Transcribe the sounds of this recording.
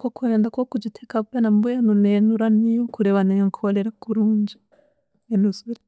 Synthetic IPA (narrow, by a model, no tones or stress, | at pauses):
kokueːndakokud͡ʒitʰekaβenambujanunenuɾanijokuɾeβaneŋkʰoleɾakuɾuːɲɟe̥ | enusuɾi